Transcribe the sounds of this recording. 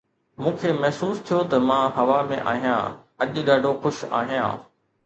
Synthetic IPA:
mũːkʰeːmɛɦsuːst̪ʰijot̪ɐmãːɦɐʋamḛ̃ʔa̰ːɦijã̰ɐʄɗaːɖʱoxʊʃa̰ːɦijã̰ː

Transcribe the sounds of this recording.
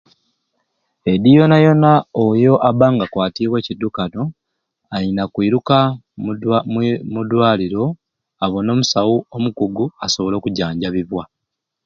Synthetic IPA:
e̞dijo̞najo̞naojo̞ʔaβaːŋɡakwaːtiːβwe̞ːcidːukano̞ | ajinakwiːɾuka | mudwaːliɾo̞ | aβo̞no̞ːmusawuomukuɡuaso̞βo̞lo̞ːkuɟaːɲɟaβiβwa

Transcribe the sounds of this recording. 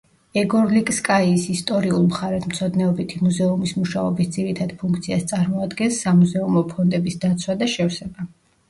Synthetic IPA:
ɛɡɔɾlikʼskʼaiːsist̪ʼɔɾiulˠmχaɾɛt̪ʰmt̪sʰɔd̪nɛɔbit̪ʰimuzɛumismuʃaɔbisd̪ziɾit̪ʰad̪̥pʰũŋkʰt̪sʰiast̪sʼaɾmɔad̪ɡɛnsːamuzɛumɔpʰɔnd̪ɛbisd̪at̪sʰwad̪aʃɛfsɛba

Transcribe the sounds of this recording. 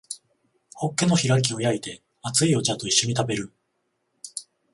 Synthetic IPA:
ho̞kːe̞no̞çiɾak̬ʲio̞jait̪e̞ | at͡sɨio̞t͡ɕat̪o̞iɕːo̞ɲ̟it̪abe̞ɾɯ̟

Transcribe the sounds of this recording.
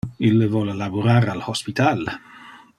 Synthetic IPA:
ilːəvɔlelabuɾaːɾalhospit̪al

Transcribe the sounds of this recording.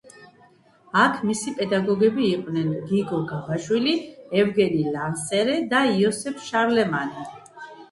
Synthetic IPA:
akʰmisipʼɛd̪aɡɔɡɛbiːqʼwnɛnɡiɡɔɡavaʃwiliɛvɡɛnilansɛɾɛd̪aiɔsɛpʰʃaɾlɛmani

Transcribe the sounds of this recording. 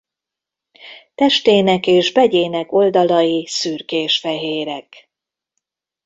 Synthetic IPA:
t̪ɛʃt̪eːnɛkeːʒbɛɟeːnɛko̞ld̪ɒlɒjisyːrkeːʃfɛɦeːɾɛk

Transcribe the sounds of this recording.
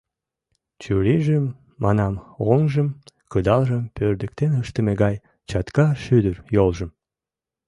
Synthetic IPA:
t͡ɕyɾiʒəmː | ɑnɑmoŋʒəmkəd̪ɑlʒəmpørd̪ə̆k̚t̪enəʃt̪əmeɡɑj | t͡ɕɑt̪kɑʃyd̪ərjolʒə̆m

